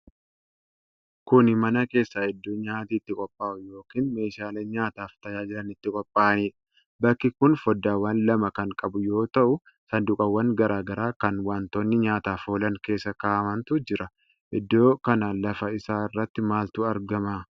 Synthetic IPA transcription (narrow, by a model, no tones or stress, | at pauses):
kʊnmɐnɐke̞ːsːaːɛd̪ːoːɲaːt̪iːt̪ːɪkʼɔpʼːaːʔʊjo̞ːkiːnme̞ːʃaːleːɲaːt̪aːft̪ɐjaːd͡ʒɪɾɐnɪt̪ːɪkʼɔpʼːaːʔɐniːᶑɐ | bɐkːɪkʊnfɔd̪ːaːwɐːnlɐmɐkɐŋkʼɐbʊjo̞ːt̪ɐʔʊ | sɐnd̪ʊkʼɐwːɐŋɡɐɾʔaːɡɐɾaːkɐnwaːnt̪o̞ːnːɪɲaːt̪aːfoːlɐŋke̞ːsːɐkaːʔɐmɐnt̪ʊd͡ʒɪɾɐ | ʔɪd̪ːo̞ːkɐnaːlɐfɐɪsaːɪrːɐt̪ːɪmaːlt̪ʊɐɾɡɐmaː